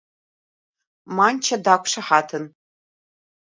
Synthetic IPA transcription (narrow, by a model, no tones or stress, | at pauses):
maːnt͡ʃʰɐdaːkʷʰʼʂɐħaːtʰɨn